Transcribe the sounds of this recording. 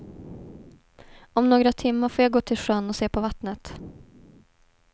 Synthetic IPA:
ɔmnoːɡɾat̪ʰɪmːəɾfoːɾjaɡoːt̪ʰɪlʂœnːɔseːpʰɔvat̪nət̪

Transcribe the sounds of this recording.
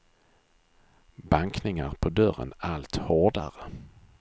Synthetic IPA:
baŋknɪŋaɾpʰɔd̪œɾə̰nalt̪hoːɖa̰ɾə

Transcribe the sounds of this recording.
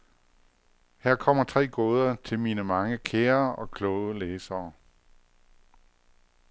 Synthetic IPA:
hæɐ̰kʰɒ̽m̰ɐt͡sʰʁɛ̰ːɡ̥oːð̞ˠɐt͡sʰe̝lmiːnəmɑ̈ŋəkʰeːɐɒ̽kʰlɔʊəleːsɐː

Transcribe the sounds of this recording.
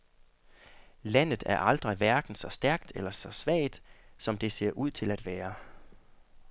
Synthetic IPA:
læn̰ð̩ˠæɐʔɑ̈ld̥ʁiʋæɐɡ̥n̩sɒ̽sd̥æɐɡ̥̚d̥elɐsɒ̽sʋɛ̰ːɪd̥sɒ̽md̥e̝se̝ɐʔuð̞̰ˠt͡sʰe̝læd̥ʋæːɐ

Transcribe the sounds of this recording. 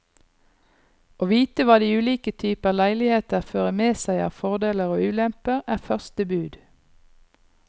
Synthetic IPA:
ʔoːʋiːt̪əʋɑːd̪iːʉːliːkət̪ʰyːpəɑːʋlæɪlɪheːt̪əʁføːʁəmeːsæɪɑ̰ːʋfɔʁd̪eːləʁoːʉːlɛmpəʁæːʁfœʁst̪əbʉːd̪

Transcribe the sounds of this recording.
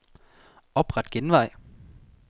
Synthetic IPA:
ɒ̽b̥ʁɑd̥ɡ̥enʋɑ̈ɪ̰

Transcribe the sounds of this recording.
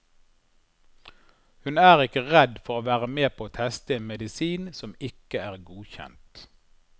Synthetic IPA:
hʉnæːʁɪkəʁɛd̪fɔʁoːʋæːʁəmeːpʰoːoːt̪ʰɛst̪əeːnmɛd̪ɪsiːnsɔmɪkəæːʁɡuːçɛ̰nt̪

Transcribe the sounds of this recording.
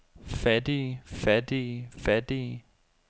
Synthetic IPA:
fæd̥ifæd̥ifæd̥i

